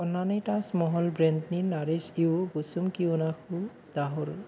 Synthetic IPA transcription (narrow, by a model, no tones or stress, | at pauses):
ɔnːanitasmɔɦɔlbɹɛndninaɾisiobusumkiunaxʰu | d̪aɦɔl